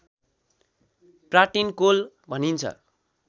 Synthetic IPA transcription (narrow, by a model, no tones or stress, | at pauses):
praʈinkol | bʱʌnint͡sʰʌ̰